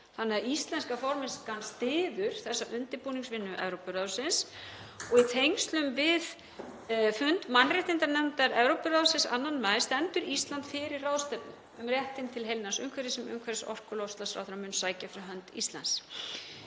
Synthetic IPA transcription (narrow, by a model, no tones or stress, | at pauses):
θanːɪaist̪lɛnskafɔɾmɪnskanst̪ɪːðʏɾ̥θɛsːaʔʏnt̪ɪɾpuːniŋsvɪnːʏʔɛ̰vɾowpʏɾaðsɪns | ɔɣit̪ʰejŋst̪lʏmvɪð | fʏnt̪manrɛht̪ɪnt̪aɾnɛmt̪aɾɛvɾowpʏɾaðsɪ̃nsa̰nːanmajðst̪ɛnt̪ʏɾist̪lant̪fɪɾɪrrawðst̪ɛpnʏ | ʏmrjɛht̪ɪnt̪ʰɪlɦejlnansʏŋkʰvɛɾɪsɛmʏ̰ŋkʰvɛɾɪsɔ̰r̥kʏlowst̪asfɾawθɾamʏnsaːjcafɪɾɪɦœnt̪ḭst̪la̰ns